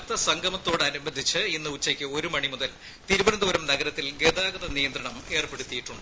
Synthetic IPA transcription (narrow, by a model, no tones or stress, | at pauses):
t̪ːɐsɐŋɡʱɐmɐt̪ːo̞ːɽɐnubɐd̪ʱːit͡ɕːɨinːɨut͡ɕːɐkʲːɨo̞ɾumɐɳimuðɐl | t̪iɾubɐnɐd̪uʋɐɾɐmnɐɡɐɾɐt̪ːilɡeðaːɡɐðɐnijɐnd̪ɾɐɳɐme̞ːrpeɽut̪ːijiʈːuɳɖɨ